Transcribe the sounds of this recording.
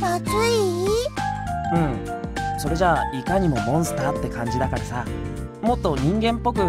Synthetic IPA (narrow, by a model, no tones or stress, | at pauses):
akɨi | ɯ̟̃ɴ | so̞ɾe̞ʑaːikaɲ̟imo̞mõ̞ɰ̃sɨ̥t̪at̪ːe̞kãɲ̟d͡ʑid̪akaɾasa | mo̞t̪ːo̞ɲ̟ĩŋɡẽ̞mpːo̞kɯ̟